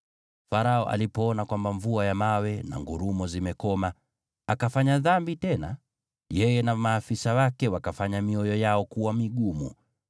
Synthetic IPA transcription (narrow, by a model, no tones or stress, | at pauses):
faɾaɔʔa̰lipɔɔnakwambaɱvuajamawɛna̰ŋɡuɾumɔzimɛkɔma | akafaɲaðambitɛna̰ | jɛjɛnamaːfisawakɛwakafaɲamiɔjɔjaɔkuwamiɠumṵ